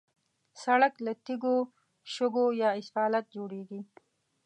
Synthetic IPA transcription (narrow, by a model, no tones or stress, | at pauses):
saɽaklat̪iɡo | ʃʊɡojɑːɪsfɑːlat̪̚d͡ʒoːɽeɡi